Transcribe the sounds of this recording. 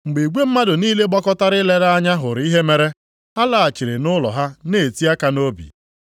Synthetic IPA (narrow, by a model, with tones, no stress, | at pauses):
ŋ͡m̩˨ɡ͡be˨ɡʷe˦m̩˦ma˦dʊ˨niː˦le˦ɡ͡bɔ˦kɔ˦ta˦ɾɪ˦le˦ɾa˦ɲa˦ɦʊ˨ɾi˦ɦe˦me˦ɾe˦ | ha˦la˨a˨t͡ʃi˨ɾe˨nʊ˦lɔ̰˨ɦa˦ne˨e˨ti˦a˦ka˦no˦bḭ˨